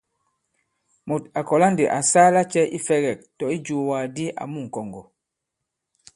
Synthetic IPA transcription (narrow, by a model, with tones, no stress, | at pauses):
mo˨ta˨kɔ˨la˦nde˨ʔa˨saː˦la˦t͡ʃɛ˦ʔi˦fɛ˦ɣɛ˨k̚tɔ˨i˦d͡ʒuː˨waː˨di˦ʔa̰˨mu˦ŋ̩˨kɔ˨ŋɡɔ˨